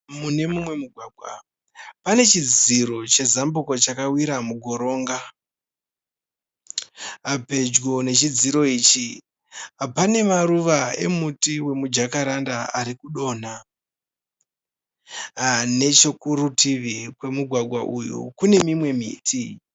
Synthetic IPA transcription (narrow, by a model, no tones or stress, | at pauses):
mune̞mumwe̞muɡʱwaːɡʱwa̰ | pane̞t͡ʃid͡ziɾo̞t͡ʃe̞zambuko̞t͡ʃakawiɾamuɡʱo̞ɾo̞ːŋɡa | ape̞d͡ʒɡo̞ne̞t͡ʃid͡ziɾo̞iːt͡ʃi | apane̞maɾuʋae̞̰mutiwe̞mud͡ʒakaɾandaaɾikuɗo̞ːna | ne̞t͡ʃo̞kuɾutiʋikwe̞muɡʱwaɡʱwaʔujṵkune̞mimwe̞mḭːtʰi